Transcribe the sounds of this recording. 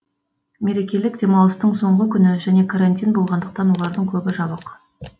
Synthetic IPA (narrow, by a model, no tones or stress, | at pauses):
me̞ɾe̞kʲe̞lɪkd̪ʲe̞mɑwlˠəst̪əɴso̞ɴʁəkʲʰʏnɪʒæne̞kʰaɾanʲt̪ʲijnbo̞lˠʁɑnd̪əq̚t̪ɑnwo̞lˠɑɾd̪əɴkʲʰɵbɪʒɑbəq